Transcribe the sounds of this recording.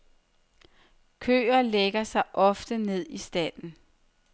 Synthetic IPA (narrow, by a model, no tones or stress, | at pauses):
kʰø̰ːɐleɡ̥ɐsɑ̈ɪʔɒ̽fd̥əne̝ð̞̰ˠisd̥æn̰n̩